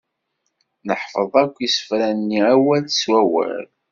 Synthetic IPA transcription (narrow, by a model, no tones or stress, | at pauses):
nəħfəðˤækʷːjisə̥fɾænːiæwælswæwə̰ɾ